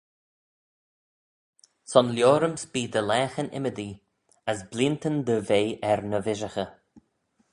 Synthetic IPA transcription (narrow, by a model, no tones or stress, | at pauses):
sɔnljoːɾəmsbiːd̪əlɛːxənɪ̰məd̪i | əsbliːnt̪ənd̪əveːʔɛɾnəvɪʒəxə